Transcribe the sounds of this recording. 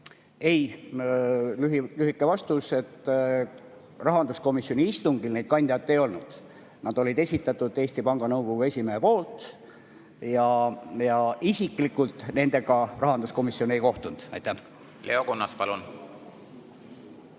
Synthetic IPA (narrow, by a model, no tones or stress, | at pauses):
e̞j | lyɦilyhikːˑe̞vɑst̪use̞t̪ː | rɑɦɑnd̪usko̞misio̞nʲiist̪uŋɡ̥ilne̞jd̪̚kɑnʲd̪̥ʲijɑt̪ːe̞jo̞lnud̪̥ | nɑd̪̥o̞lid̪e̞sʲit̪ːˑɑt̪ːˑud̪̥e̞ːsʲt̪ipɑŋɡ̥ɑnɤwko̞ɡ̥ue̞sʲimeɦepo̞ːlt̪ | jɑjɑʔisikˑlikːˑult̪ne̞nd̪e̞ɡ̥ɑrɑɦɑnd̪usko̞misio̞ne̞jko̞ht̪und̪̥ɑ̰jt̪ːæh | le̞̰o̞konːɑspɑlun